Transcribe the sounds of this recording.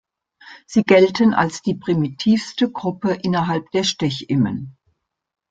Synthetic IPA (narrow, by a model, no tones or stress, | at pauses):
z̥iːɡɛltənʔa̰lsd̥iːpʁ̥imitʰiːfstəɡʁʊpəʔɪnɐɦalp̚d̥eːɐʃtɛçʔɪmə̰n